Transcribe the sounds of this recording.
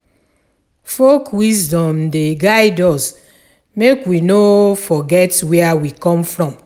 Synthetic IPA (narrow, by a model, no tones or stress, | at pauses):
fokwisdɔ̃mdeɡajdɔs | mekwinofɔɡɛtwɛawikɔ̃mfɹɔ̃m